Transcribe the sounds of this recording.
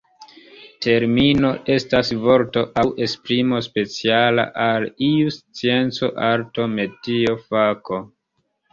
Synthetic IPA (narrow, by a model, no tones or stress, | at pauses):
tʰe̞ɾmino̞ʔe̞stasvo̞ɾto̞ʔawʔe̞spɾimo̞spe̞t͡siala̰ʔaliust͡sie̞nt͡so̞ʔaɾto̞me̞tio̞fako̞